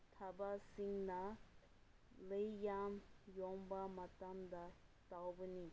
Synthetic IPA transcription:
t̪ʰabasiŋna | lejjamjɔŋbamat̪amd̪at̪awbəni

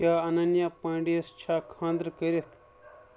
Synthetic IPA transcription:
aːɐnɐnjaːpãːɳɖiɐst͡ʃʰaːkʰãːnd̪ɾkɐɾet̪ʰ

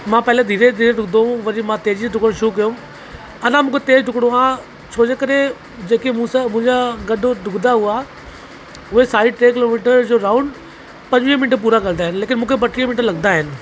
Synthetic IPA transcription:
mãːpɛɦɪled̪ʱiːɾed̪ʱiːɾeɖʱʊɡd̪oɦũʋɐɾimãt̪eːd͡ʑiɖʱʊkɽ̃ʃukijũ | ɐnãmũːkʰet̪eːd͡ʑɖʱʊkɽ̃õãː | t͡ɕʰoːd͡ʑekɐɾe | d͡ʑeːkemʊ̃samʊ̃ɦɪ̃ɲd͡ʑaɡɐɗɖʱʊɡd̪aɦʊa | ʊɦesaːiʈɾeːk̬ɪloːmiːʈəɾd͡ʑoːɾaːʊɳɖ | pɐ̃ɲd͡ʑʋĩə̃mɪnʈəɾp̬uːɾaɡəld̪aːɦɪnɪleːkɪnmũːkʰebɐʈiːə̃mɪ̃ɳʈəɾlɐɡd̪aɦɪnɪ̆

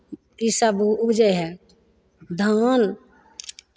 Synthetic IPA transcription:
isabʊbd͡ʒəjɦɛ | d̪ʱan

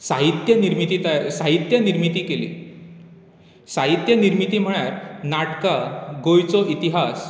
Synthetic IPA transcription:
saɦit̪jəniɾmit̪iːt̪asaɦit̪jəniɾmit̪iːkelḭː | saɦit̪jəniɾmit̪iːm̤əɽjaɾnaʈkaɡojt͡sɔʔit̪iɦas

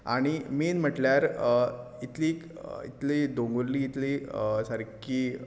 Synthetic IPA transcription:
a̰ɽ̃imiːnm̤əʈljaɾ | it̪liːk | ḭt̪lid̪oŋɡoɾliːt̪lisaɾkiː

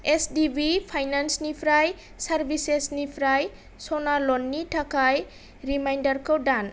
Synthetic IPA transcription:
esdibipʰajnansnipʰɾaj | saɾbʱisesnipʰɾaj | sɔnalɔnːitʰakaj | ɾimajndaɾkʰowdan

